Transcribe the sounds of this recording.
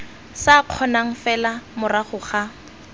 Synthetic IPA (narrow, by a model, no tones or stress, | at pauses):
saq͡χʰɔnaŋ̩fɛlamʊraχʊχa